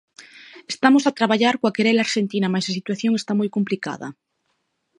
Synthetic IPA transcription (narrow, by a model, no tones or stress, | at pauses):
est̪amosat̪ɾaβaʎaɾkwakeɾelaɾʃent̪inamasasit̪waθjoŋest̪amujkomplika̰ða̰